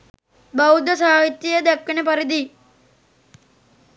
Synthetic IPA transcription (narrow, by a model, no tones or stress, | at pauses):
bɐud̪ʱɐsaːɦit̪jɐjɐd̪ekːɐnepɐɾid̪i